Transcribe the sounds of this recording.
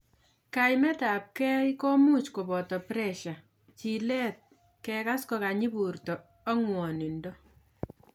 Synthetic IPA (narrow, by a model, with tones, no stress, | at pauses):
kajmɛ˦ta˨p̚kɛ˦jko˦mu˦t͡ʃko˨bɔ˨tɔ˨pɾɛʃa˨ | t͡ʃi˨lɛ˦t̚ | kɛka˦skɔ˧ka˨ɲi˦bu˨rtɔː˨˦ | ŋwɔ˨nɪ˨ndɔ˦